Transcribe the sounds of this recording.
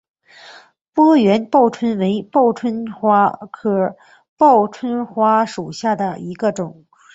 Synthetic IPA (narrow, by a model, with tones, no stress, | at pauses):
pwɔ˥ɥɛ˧˥npɑ˥˩ʊʈ͡ʂʰwə˥nwe˧˥ɪpɑ˥˩ʊʈ͡ʂʰwə˥nwa˥kʰɤ˨˩ | pɑ˥˩ʊʈ͡ʂʰwə˥nxwa˥ʂu˨˩ɕja˥˩d̪ə˩i˧˥ɡə˧ʈ͡ʂʊ˨˩˦ŋ